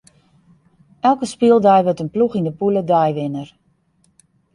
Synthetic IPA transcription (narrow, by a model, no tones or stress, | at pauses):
ʔɛlˠkəspiəlˠdɛjʋøtənpluxindəpulədɛjʋɪnər